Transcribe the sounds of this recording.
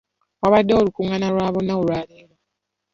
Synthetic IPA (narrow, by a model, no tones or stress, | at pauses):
waβadːeolukuŋanalwaːβonaolwaːliːna